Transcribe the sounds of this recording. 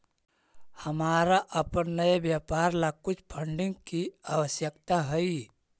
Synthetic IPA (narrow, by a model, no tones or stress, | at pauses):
həmaːɾaʔəpənnəebjaːpaːɾlakʊt͡ʃʰpʰəɳɖɪ̃ŋɡkiawəsjəkt̪aɦəi